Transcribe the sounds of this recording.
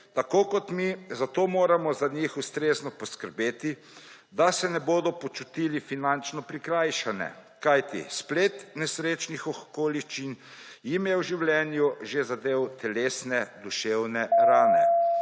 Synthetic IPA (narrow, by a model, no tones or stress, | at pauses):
t̪akoːkɔt̪mizat̪oːmoːɾamɔzaɲixust̪ɾeːznɔpɔskəɾbeːt̪i | d̪asɛnɛboːd̪ɔpɔt͡ʃut̪ilifinant͡ʃnɔpɾikɾaːjʃanɛ̰ | kajt̪ḭspleːt̪nɛsɾeːt͡ʃnixɔxkoːliʃt͡ʃinjimjɛwʒiwlʲɛnjuʒezad̪eːwt̪ʰɛleːsnɛd̪uʃewnɛɾaːnɛ̰